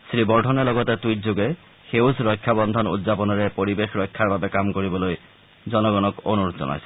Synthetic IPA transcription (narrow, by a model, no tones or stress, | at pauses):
sɾibɔɾʈʰɔnelɔɡɔt̪et̪ujtd͡ʑoɡe | xewsɾɔkʰːjabɔnd̪ʱɔnṵd̪zapɔnɔɾepoɾibexɾɔkʰːaɾbabekamkoɾiboloj | d͡ʑɔnɔɡɔnɔkonuɾut̪d͡ʑɔ̰na̰jsʰɔ